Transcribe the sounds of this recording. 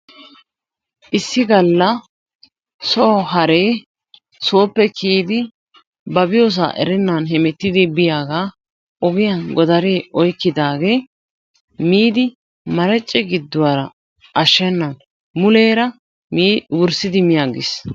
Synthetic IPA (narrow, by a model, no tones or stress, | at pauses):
ʔɪsːɪɡɐlːɐ | sɔɦɐɾe̞ː | so̞ːpːɛkʰeːd̪ɪ | bɐbɪjoːs̬a̰ːʔɛ̰ɾɛnːanɦɛmɛt̪ːɪd̪ɪbɪjaːɡaː | ʔɔɡɪjɐnɡɔd̪ɐɾeːʔɔjkːɪd̪aːɡe̞ː | miːd̪ɪ | mɐɾɛt͡ʃʼːɛɡɪd̪ːʊwaɾɐ | ʔɐʃːɛnːɐn | mʊle̞ːɾɐ | mːwʊɾsɪd̪ɪmɪjaːɡɪ̰s